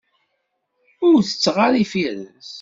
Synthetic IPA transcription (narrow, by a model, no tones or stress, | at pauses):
ʊɾθə̥t͡sːʁaɾifiɾə̰s